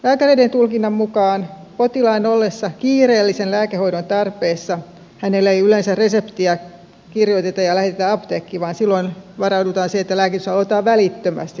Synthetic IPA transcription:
læːkæreident̪ulkinːɑmmukɑːn | pot̪ilɑinolːesːɑkiːreːlːisenlæːkeho̞idont̪ɑrpeːsːɑ | hænelːeiylensærresept̪iɑ | kirjot̪et̪ɑjɑlæhet̪et̪æɑpt̪eːkːiʋɑːnsilːoinʋɑrɑudut̪ɑːnseet̪ːælæːkit̪ysɑlot̪ɑːʋʋælit̪ːømæ̰st̪i

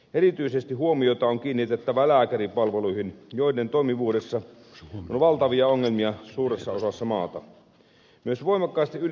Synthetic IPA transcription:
ʔerit̪yisest̪iɦuomio̞t̪ɑoŋkiːnːit̪et̪ːæʋælæːkæripɑlʋeluihinjoident̪oimiʋuːdesːɑ | onʋɑlt̪ɑʋiɑoŋːelmiɑsuːresːɑosɑsːɑmɑːt̪ɑ | myøsʋoimɑkːɑist̪iʔyl

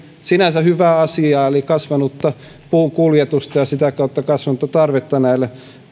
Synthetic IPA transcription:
sinæsæhyʋæːɑsiɑːelikɑsʋɑnut̪ːɑ | puːkuljet̪ust̪ɑjɑsit̪ækɑˑut̪ːɑkɑsʋɑnut̪ːɑt̪ɑrʋet̪ːɑnæilːe

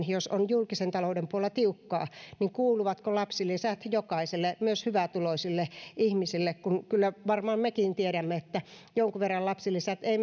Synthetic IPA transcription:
josonjulkisent̪ɑloudempuolːɑt̪iukːɑːniŋkuːluʋɑt̪kolɑpsilisæt̪jokɑiselːemyøshyʋæt̪uloisilːeʔihmisilːekkunkylːæʋɑrmɑːmmekint̪ieɾæmːeet̪ːæ | joŋkuʋerːɑllɑpsilisæt̪ei

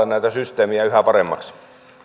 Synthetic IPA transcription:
ennæˑit̪æsyst̪eːmiæyhæpɑremːɑ̰ks

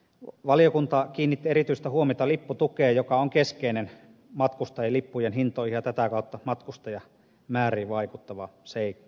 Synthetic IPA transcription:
ʋɑlijokunt̪ɑkiːnːit̪ːieɾit̪yist̪æhuomit̪ɑlipːut̪ukeːjokɑoŋkeskeinen | mɑt̪kust̪ɑjelipːujenɦint̪oːˑihihjɑt̪æt̪ækɑˑut̪ːɑmɑt̪kust̪ɑjɑ | mæːriːʋɑikut̪ːɑʋɑseˑikːˑɑ̥

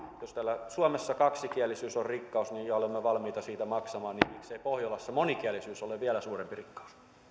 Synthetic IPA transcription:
jost̪æːlːæsuɑmesːɑkɑksikiælːˑisyːsorrikːɑusniːjjɑolemːeʋɑlmiːt̪ɑsiːt̪æmɑksɑmɑːnnimikseipohjolɑsːɑmonikiælːisyːsoleʋʋiælæsuːrempirikːɑ̥u̥s

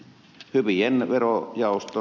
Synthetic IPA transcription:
hypienʋerojɑˑost̪o

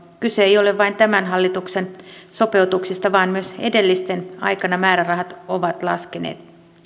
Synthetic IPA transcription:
kyseejo̞le̞ʋʋɑint̪æmænɦɑlːit̪ukse̞nso̞pe̞ut̪uksist̪ɑʋɑːnmyøse̞̰de̞lːist̪e̞nɑ̰jkɑnɑmæːɾærɑɦɑt̪o̞ʋɑt̪lɑ̰skenḛːt̪

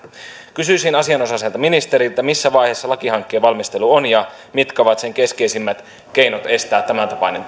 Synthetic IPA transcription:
kysysinɑsiɑno̞sɑselt̪ɑminist̪eɾilt̪ːˑæmisːæʋɑjheːsːɑlɑkihɑŋkːe̞ːʋɑlmist̪eluonjɑ | mit̪kɑʋɑt̪se̞ŋke̞skejsimːæt̪ | ke̞jnot̪e̞st̪æːt̪t̪ːæmænt̪ɑpɑnen

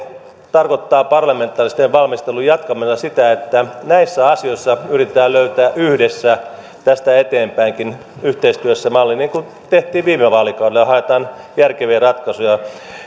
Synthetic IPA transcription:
t̪ɑrkot̪ːɑːpɑrlɑment̪ːˑɑːrist̪eʋʋɑlmist̪elujɑt̪kɑmisɑsit̪æet̪ːænæisːæɑsioisːɑyrit̪et̪æːløyt̪æːʔyhdesːæ | t̪æst̪æet̪eːmpæiŋkin | yht̪eist̪yøsːæmɑlːiniːŋkun | t̪eht̪ˑiːʋʋiːmeʋɑːlikɑudelːjɑhɑet̪ɑːnjærkeʋiːrɑt̪kɑsujɑ

